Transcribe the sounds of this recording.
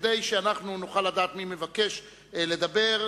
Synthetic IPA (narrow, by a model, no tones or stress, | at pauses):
d̪ejʃeanaχnunuχalːad̪aːt̪mimevake̞ʃ | le̞d̪abe̞ʁ